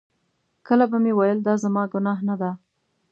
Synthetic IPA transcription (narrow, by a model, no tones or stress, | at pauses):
kəlabamewajəld̪ɑzamɑɡʊnɑɦnad̪a